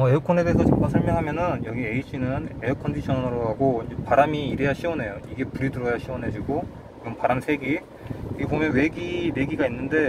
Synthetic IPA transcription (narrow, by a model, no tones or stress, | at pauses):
ʌeukʰone̞deːsʰʌt͡ɕʰiŋkasʰʌɭmjʌŋɦamjʌnɯnjʌɡie̞iɕʰinɯne̞okʰʌndiɕʰʌnɯnɯɾoɦaɡoind͡ʑepaɾamiːɾe̞jaɕʰiwʌnɦe̞joiɡe̞puɾidɯɾʌjaɕʰiwʌnɦe̞d͡ʑiɡo | t͡ɕiɡʌmpaɾamsʰe̞ɡi | iɡebomjʌnwe̞ɡide̞ɡiɡainːɯnde̞